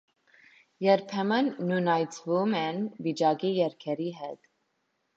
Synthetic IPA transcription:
jɛɾpʰɛmənːunɑjt͡sʰvumɛnvit͡ʃɑkijɛɾkʰɛɾiɦɛt̪

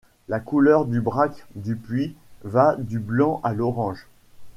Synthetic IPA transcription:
lakulœʁd̪ybʁakd̪ypɥivad̪yblɑ̃ʔalɔʁɑ̃ʒ

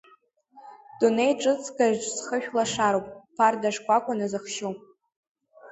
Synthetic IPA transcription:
d̥unejʈ͡ʂʼɨt͡sʰʼɡaʒʈ͡ʂʼsχəʃᶣlaʂaɾowpʼpʰardaʂkʷʼakʷʼanazɨχʃopʼ

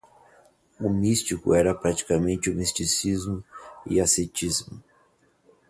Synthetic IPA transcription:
ʊmist͡ʃikʊ̰ɛɾɐpɾat͡ʃi̥kamẽnt͡ʃɪʊmist͡ʃisizmʊɪ̰aset͡ʃizmʊ

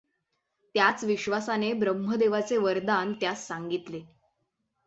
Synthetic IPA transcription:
t̪jat͡sʋiɕʋasanebɾəmɦəd̪eʋat͡seʋəɾd̪ant̪jasːaŋɡit̪le

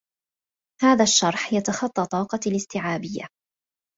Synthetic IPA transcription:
haːðaʃːɑɾˤħjat̪ɑxɑt̪ˤːɑt̪ˤɑːqɑlɪst̪ɪʕaːbɪjːa̰

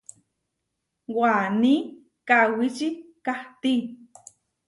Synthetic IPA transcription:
wani | kawit͡ʃikaht̪i

